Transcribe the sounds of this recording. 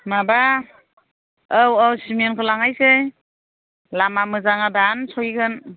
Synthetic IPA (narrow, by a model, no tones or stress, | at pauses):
maba | awawsimenkʰɯlaŋajse | lamamɯzaŋadansɔjɡɯn